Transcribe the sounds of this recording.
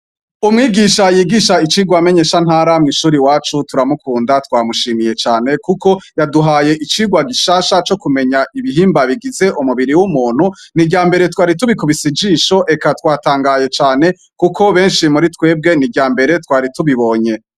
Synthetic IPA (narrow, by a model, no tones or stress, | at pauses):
umŋiːɡiʃajiːɡiʃait͡ʃiːɡwame̞ɲe̞ʃan̥haːɾamŋiʃuːɾiwaːt͡ʃutuɾamukʰuːndatwaːmuʃiːmije̞t͡ʃaːne̞kuko̞jaduɦaːje̞ʔit͡ʃiːɡwaɡiʃaːʃat͡ʃo̞kume̞ɲaʔiβiɦiːmbaβiɡize̞ʔumuβiɾiwumuːn̥hunibɟaːmbe̞ɾe̞twaːɾituβikuβisid͡ʒiʃo̞ʔe̞katwaːtaːŋɡaːje̞t͡ʃaːne̞ | kukʰo̞βe̞ːnʃimuɾitwe̞ːb̚ɡe̞niɟaːmbe̞ɾe̞twaːɾituβiβo̞ɲe̞